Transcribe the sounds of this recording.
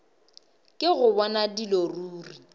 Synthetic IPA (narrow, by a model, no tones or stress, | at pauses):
kʼɪɣʊbɔnadiloruːri